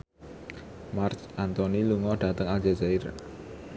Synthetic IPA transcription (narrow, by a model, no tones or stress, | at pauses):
mart͡ʃʔant̪ɔniluŋɔɖ̥ä̤t̪əŋald͡ʒad͡ʒaɪr